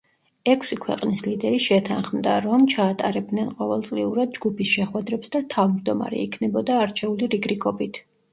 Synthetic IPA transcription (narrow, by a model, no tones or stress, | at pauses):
ɛkʰsikʰwɛ̰qʼnislid̪ɛɾiʃɛt̪ʰanχmd̪aɾɔmt͡ʃʰaːt̪ʼa̰ɾɛb̚d̪nɛnqʼɔvɛlˠtsʼliuɾad̪̚d͡ʒɡupʰisʃɛχwɛd̪ɾɛpsd̪at̪ʰavmd͡ʒd̪ɔma̰ɾɛ̰ikʰnɛbɔd̪aːɾt͡ʃʰɛuliɾiɡɾikʰʼɔbit̪ʰ